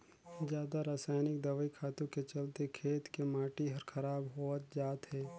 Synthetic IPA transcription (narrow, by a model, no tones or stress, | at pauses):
zjaːd̪aɾaːsaːjnɪkd̪ɐʋəikʰaːt̪ũket͡ʃɐlt̪ekʰeːt̪kemaːʈiɦɐɾkʰɐɾaːbɦoːt̪d͡ʒaːt̪ɦɛː